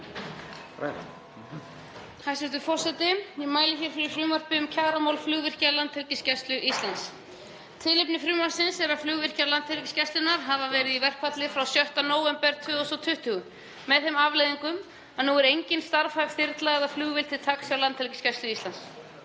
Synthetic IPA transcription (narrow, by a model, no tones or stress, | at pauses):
hajsɛt̪ʏfɔr̥sɛt̪ɪjɛmaːjlɪçɛɾ̥fɪɾɪɾ̥fɾʏːmar̥pɪʏmcʰaːɣɾamawlflʏːɣvɪr̥calant̪hɛlcɪscast̪lʏʔist̪lans | t̪ʰɪlɪpnɪfɾʏːmḁsɪnsɛɾaflʏːɣvɪr̥calant̪ʰhɛɾcɪ̥scɛst̪ʏnaɾɦavavɛːɾɪðivɛr̥kʰvat̪lɪfɾawsjœht̪anoːwɛmpɛɾt̪ʰʏːɔsɔt̪ʰʏht̪ʏːɣʏː | ɛðθɛmavlejðiŋkʏm | anuɛɾejɲcɪnst̪aɾfajv̥θɪɾt̪laɛɣðaflʏːɣvɪlt̪ʰɪlt̪ʰaksjawlant̪ʰɛlcɪ̥scast̪lʏist̪lans